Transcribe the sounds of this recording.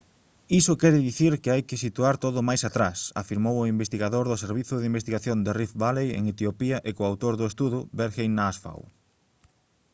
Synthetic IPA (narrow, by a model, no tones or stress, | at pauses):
isʊkɛɾɪðiθiɾkɪajkɪsit̪uaɾt̪oðʊmajsat̪ɾasa̰fiɾmowʊimbest̪iɣaðoɾðʊseɾβ̞iθʊðimbest̪iɣaθjond̪erifβalejḛŋet̪iopiɐʔɪkʊawt̪oɾðʊest̪uðʊbeɾxejnasfa̰w